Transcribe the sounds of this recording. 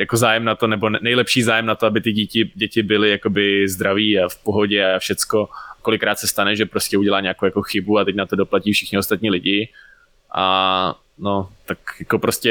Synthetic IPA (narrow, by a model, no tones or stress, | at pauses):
jakozaːjɛmnat̪onɛbo̞nnɛjlɛpʃiːzaːjɛmnat̪oabɪt̪ɪɟicɪɟɛcɪbɪlɪjako̞bɪzd̪ɾaviːafpoɦo̞ɟɛafʃɛt͡sko̞ko̞lɪkːɾaːt̪sɛst̪anɛʒɛpɾoscɛuɟɛlaːɲaːkowjako̞xɪbuat̪ɛcnat̪o̞do̞placiːfʃɪxɲɪost̪at̪̚ɲiːlɪɟɪ | ʔa | no̞t̪akjako̞pɾoscʲɛ